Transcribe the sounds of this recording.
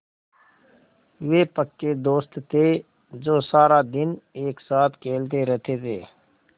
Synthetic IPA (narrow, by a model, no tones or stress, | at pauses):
ʋeːpəkːed̪oːst̪t̪ʰeː | d͡ʒoːsaːɾad̪ɪneːksaːt̪ʰkʰeːlt̪̬eɾɛt̪ʰet̪ʰeː